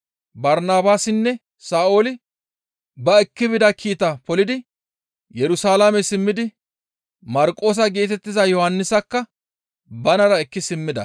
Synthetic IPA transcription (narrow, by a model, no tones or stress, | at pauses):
bɐɾnaːbaːsɪnːɛ | saːʔo̞ːlɪ | bɐɛkːɪbɪd̪ɐkʰiːt̪ɐpɔlɪd̪ɪ | jɛɾʊsaːlamɛsɪmːɪd̪ɪ | mɐɾkʼːo̞ːs̬ɐɡe̞ːt̪ɛt̪ːɪzɐjɔhɐnːɪsɐkːɐ | bɐnɐɾɐɛkːɪsɪmːɪd̪ɐ̰